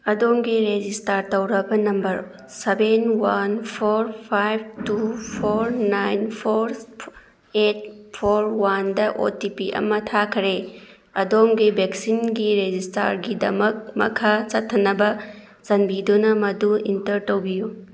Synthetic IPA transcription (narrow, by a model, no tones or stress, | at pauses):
ɐdomɡiɾed͡ʒistaɾtɐwɾɐbɐnɐmbɐɾ | sebenwanpʰoɾpʰajb̚tupʰoɾnajnpʰoɾ | et̚pʰoɾwandɐʔo̰tipiʔɐ̰mɐtʰakʰɾe | ɐdomɡibeksinɡiɾed͡ʒista̰ɾɡidɐ̰mɐk̚mɐ̰kʰat͡ʃɐtʰːɐnɐbɐ | sɐnbidunɐmɐduḭntɐɾtɐwbiju